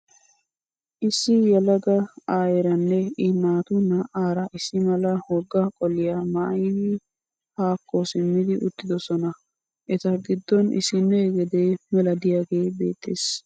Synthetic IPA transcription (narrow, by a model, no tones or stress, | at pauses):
ʔɪsːɪjɛlɐɡɐaːjɛɾɐnːɛɪnaːt̪ʊnɐʔaːɾɐʔɪsɪmɐlɐhɔɡːɐkʼɔlɪjaːmɐʔɐjnɪ | haːkːɔsɪmːɪd̪ɪʔʊt̪ːɪd̪ɔsɔnɐ | ʔɛt̪ɐɡɪd̪ːɔnɪ̰sɪnːɛɛɡɛd̪emɛlɐd̪ɪjaːɡeːbe̞̰ːt̪ʰːḛːs